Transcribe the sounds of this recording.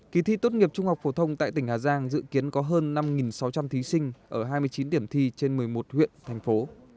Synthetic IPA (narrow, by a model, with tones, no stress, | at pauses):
ki˨˩t̪ʰḭ˧˥t̪o˦˥t̚ŋi˨˩əp̚t͡ɕʊ˧ŋ͡mha˨˩wk͡p̚fo˧˩t̪ʰə˧wŋ͡mt̪a̰ː˧˨jt̪ï˧˩ŋ̟haː˨˩zaː˧ŋzɨ̰˧˨ki˨˦ənkɔ˨˦ɦəː˧nːa˧mŋi˨˩nsa˨˦wt͡ɕa˧mt̪ʰi˨˦sï˧ŋ̟ʔəː˧˩ɦaː˧jmɨ˧əjt͡ɕi˨˦nɗ̪i˧˩əmt̪ʰi˧t͡ɕe˧nmɨ˨˩əjmo˨˩t̚hwḭ˧˨ənt̪ʰɛ˨˩ŋ̟fo˨˦